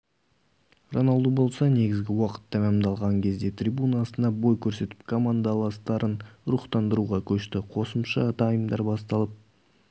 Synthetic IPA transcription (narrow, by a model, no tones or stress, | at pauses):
ronɑlˠd̪ubo̞lˠsɑne̞ɡʲɪzɡʲɪwɑqə̥t̪ːɑmæmd̪ɑlˠʁɑŋkʲʰe̞zd̪e̞t̪rʲijbunɑsənɑbo̞jkʲʰɵɾse̞t̪ɪ̥p̚kʰomand̪alˠɑst̪ɑɾənɾuχt̪ɑnd̪əɾuʁɑkʲʰɵʃt̪ɪqʰo̞səmʃɑ̰t̪ɑjəmd̪ɑɾbɑst̪ɑlˠəp̚